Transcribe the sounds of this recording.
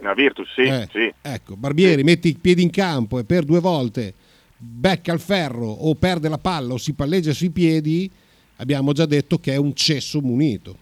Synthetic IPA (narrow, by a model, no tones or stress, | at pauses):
navirt̪usːiɛsiɛkːobarbjɛːɾimet̪ːiipjɛːd̪iŋkampoepːerd̪uevɔlt̪e | bɛkːalfɛrːoʔopːɛrd̪elapalːaosipalːed͡ʒːasuipjɛːd̪i | a̰bːjaːmod͡ʒad̪ːet̪ːokeɛunt͡ʃesːomunḭːt̪o